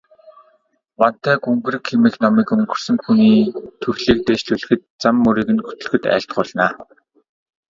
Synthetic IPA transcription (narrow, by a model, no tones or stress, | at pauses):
mɔn̥t̪æːɡuŋɡɘ̆rɘ̆kxʰemeːxnɔmiːkɵŋɡɵ̆rsɵ̆ŋxuniːt̪ʰɵxɮiːk̚t̪eːt͡ɕɮuɮɘ̆xɘ̆t̪̚t͡samːɵɾiːɣɘ̆nxɵ̥t̪ɵ̆ɮxɘ̆t̪æ̰ːɬt̪̚ɢʊːɮnaː